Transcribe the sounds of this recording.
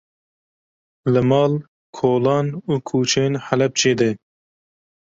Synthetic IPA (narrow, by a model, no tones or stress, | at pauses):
ləmɑːl | kʰoːlɑːnuːkʰuːt͡ʃʰeːnħalɛp̚t͡ʃʰeːd̪e